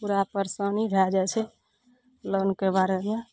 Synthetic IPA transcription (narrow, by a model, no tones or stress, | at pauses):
puɾapəɾsənibʱad͡ʒat͡ʃʰɛ | lənkebaɾeja